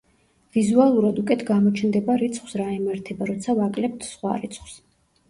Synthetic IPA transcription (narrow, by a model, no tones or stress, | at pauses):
vizualˠuɾad̪ukʼɛt̪ʰɡamɔt͡ʃʰnd̪ɛbaɾit̪sʰχw̥sɾaimaɾt̪ʰɛbaɾɔt̪sʰavakʼlɛp̚t̪ʰsχwa̰ɾḭt̪sʰχws